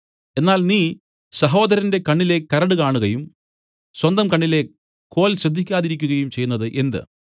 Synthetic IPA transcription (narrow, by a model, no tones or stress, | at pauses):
e̞nːaːlniː | sɐɦo̞ːd̪ɐɾɐnde̞kɐɳːile̞kːɐɾɐɽɨkaːɳuɣɐjum | swɐnd̪ɐmkɐɳːile̞ | kːo̞ːlɕrɐd̪ʱːikʲːaːðiɾikʲːuɣɐjumt͡ɕe̞junːɐðɨʔe̞nd̪ɨ̰